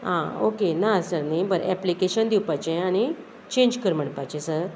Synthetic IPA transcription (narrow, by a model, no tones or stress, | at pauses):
ɦão̰kenasəɾnajbəɾɛ̰plikeɕənd̪iwpajt͡ɕẽaɽ̃i | t͡ɕẽɲd͡ʑkəɾm̤əɽpajt͡ɕẽsəɾ